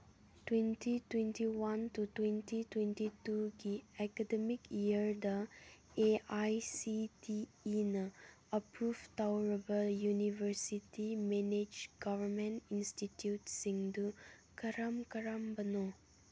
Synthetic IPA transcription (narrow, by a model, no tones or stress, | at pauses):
twentitwenʈiwɐntutwentitwẽnʈituɡiɛkədemikijəɾd̪ɐ | eajsitiːnɐ | əpɾubt̪awɾebəljuniʋəɾsitimened͡ʒɡʌʋəɾmẽnʈinsʈiʈjuʈsĩŋd̪ukɐɾamkɐɾambɐno